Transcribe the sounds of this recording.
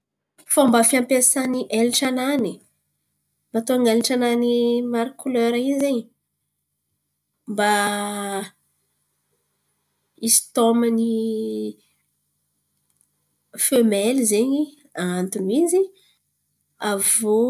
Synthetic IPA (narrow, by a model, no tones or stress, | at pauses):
fambafiampesaniʔeliʈ͡ʂanani | mat̪oaŋaliʈ͡ʂananimaɾikuløɾaizeɲi | mba | isi̥t̪oməni | fømelizeɲi | aant̪unizi | avo